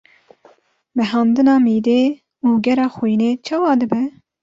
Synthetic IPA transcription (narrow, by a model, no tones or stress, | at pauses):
mɛɦɑːnd̪ɨnɑːmiːd̪eː | uːɡɛɾɑːxujneːt͡ʃʰɑːwɑːd̪ɨbɛ